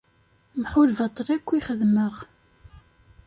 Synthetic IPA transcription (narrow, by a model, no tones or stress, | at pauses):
mħʊlvɑt̪ˤːɾˤækʷːiχəðməʁ